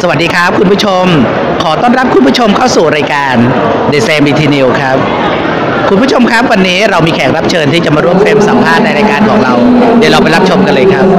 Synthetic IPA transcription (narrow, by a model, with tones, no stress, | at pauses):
sa˧wa˨˩diː˧kʰɾa˦˥p̚kʰu˧npu˥t͡ɕʰo˧m | kʰɔː˩˦t̪ɔː˥˩nɾa˦˥p̚kʰu˧npʰu˥˩t͡ɕʰo˧mkʰa˥˩wsuː˨˩ɾaː˧jkaː˧n | deː˨˩t̪̚fɛː˧mbiː˧t̪ʰiː˧ni˧wkʰɾa˦˥p̚ | kʰu˧npʰu˥˩t͡ɕo˧mkʰa˦˥p̚wa˧nːiː˦˥ɾa˧wmiː˧kʰɛː˩˦ŋɾa˦˥p̚t͡ɕʰɤː˧nt̪ʰiː˥˩t͡ɕa˨˩maː˧ɾu˥˩əmfeː˧msa˨˩˦mpʰaː˥˩t̪̚na˧jɾaː˧jkaː˧nkʰɔː˩˦ŋɾa˧wdi˨˦ɾa˧wpa˧jɾa˦˥p̚t͡ɕʰo˧mka˧nlɤː˧jkʰɾa˦˥p̚